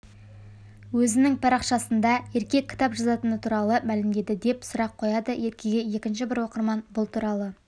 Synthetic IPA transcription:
wɵzɪnɪŋpʰɑɾɑqʃɑsənd̪ɑje̞ɾkʲe̞kʲʰːɪ̥t̪ɑpʒɑzɑt̪ənət̪ʰuɾɑlˠəmælɪmd̪e̞d̪ɪd̪e̞psʊɾɑqʰːo̞jɑd̪əje̞ɾkʲʰe̞ɡʲeje̞kʲɪnʃ̬ɪbɪɾwo̞qəɾmɑnbʊlˠt̪ʰuɾɑlˠə

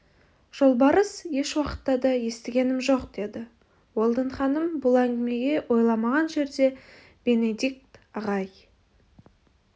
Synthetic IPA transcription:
ʒ̥o̞lˠbɑɾəsje̞ʃwɑqə̥t̪ːɑd̪ɑje̞st̪ɪɡʲe̞nɪmʒo̞qd̪̥e̞d̪ɪ | wo̞lˠd̪əɴχɑnəmbʊlˠæŋɡʲɪme̞ɡʲe̞wʔo̞jlˠɑmɑʁɑnʒe̞ɾd̪e̞ | b̥e̞ne̞d̪ik̚t̪ɑʁɑj

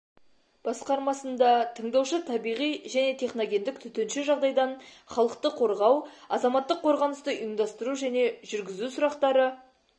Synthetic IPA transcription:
b̥ɑsqɑɾmɑsənd̪ɑt̪ʰəɴd̪ɑwʃət̪ʰɑbijʁijʒæne̞t̪ʰe̞χno̞ɡʲe̞nd̪ɪk̚t̪ʰʏt̪enʃɪʒɑʁd̪ɑjd̪ɑn | χɑlˠəqt̪əqʰo̞ɾʁɑwɑzɑmɑt̪ːəqʰːo̞ɾʁɑnəst̪əʔimd̪ɑst̪əɾuʒæne̞ʒʏɾɡʲɪzusʊɾɑqt̪ɑɾə

